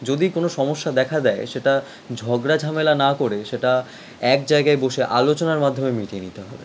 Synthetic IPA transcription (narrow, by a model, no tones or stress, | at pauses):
d͡ʑod̪ikonoʃɔmoʃːad̪ɛkʰad̪ɛeʃeʈa | d͡ʑʱɔɡɾad͡ʑʱamelanakoɾeʃeʈa | ɛk̚d͡ʑaeɡaeboʃeʔalot͡ɕonaɾmad̪ʱːomemiʈienit̪eɦɔbḛ